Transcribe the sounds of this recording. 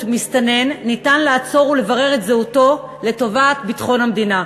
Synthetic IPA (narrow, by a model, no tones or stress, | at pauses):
mistane̞nːitanlaːt͡so̞ʁule̞vaʁe̞ʁetzeuto̞ | le̞to̞vatbitχo̞nhamd̪ina